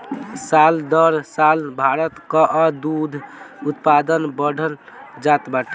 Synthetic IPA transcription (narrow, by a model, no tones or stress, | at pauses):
sald̪əɾsalbʱaɾət̪kəʔəd̪ud̪ʱut̪pad̪ənbəɽʱəld͡ʒat̪baʈi